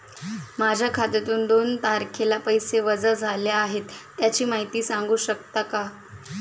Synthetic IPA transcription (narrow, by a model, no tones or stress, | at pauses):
mad͡ʑʱjakʰat̪et̪uːnd̪oːnt̪aɾkʰelapəjseʋəd͡zad͡zʱaljaːɦet̪ːjat͡ɕiːmaɦit̪iːsaŋɡuːɕək̚t̪aka